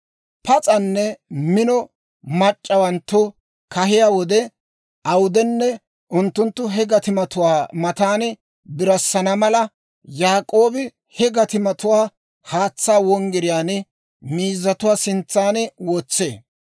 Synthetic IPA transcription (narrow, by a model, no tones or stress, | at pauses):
pɐt͡sʼɐnːɛmɪnɔ | mɐt͡ʃʼːɐwɐnt̪ːʊ | kɐɦɪjaːwɔd̪ɛ | ɐwʊd̪ɛnːɛ | ʊnt̪ːʊnt̪ːʊɦɛɡɐt̪ɪmɐt̪ʊwaːmɐt̪aːnɪ | bɪɾɐsːɐnɐmɐlɐ | jaːkʼo̞ːbɪ | hɛɡɐt̪ɪmɐt̪ʊwaː | haːt͡sːaːwɔŋɡɪɾɪjaːnɪ | miːzːɐt̪ʊwaːsɪnt͡sːaːnɪwɔːt͡sːeː